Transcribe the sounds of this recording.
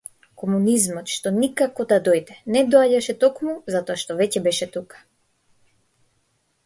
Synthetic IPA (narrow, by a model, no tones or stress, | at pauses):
kɔmunizmɔt̪ʃt̪ɔnikakɔd̪ad̪ɔjd̪ɛnɛd̪ɔaɟaʃɛt̪ɔkmuzat̪ɔaʃt̪ɔvɛcɛbɛʃɛt̪ukḁ